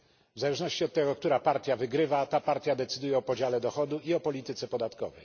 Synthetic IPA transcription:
vzalɛʐnɔɕt͡ɕiɔt̪ːɛɡɔk̚t̪uɾapaɾt̪ʲjavɘɡɾɘvat̪apaɾt̪ʲjad̪ɛt̪sɘ̥d̪ujɛɔpɔd͡ʑalɛd̪ɔxɔd̪uiɔpɔlʲit̪ɘt̪sɛpɔd̪at̪kɔ̰vɛ̰j

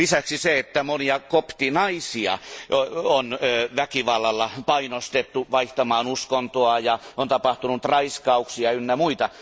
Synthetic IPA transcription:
lisæksiseet̪ːæmoniɑkopt̪inɑisiɑ̰oonʋækiʋɑlːɑlːɑpɑinost̪et̪ːuʋɑiht̪ɑmɑːnuskont̪oɑjɑont̪ɑpɑht̪unut̪rɑiskɑuksiɑynːæmuit̪ɑ

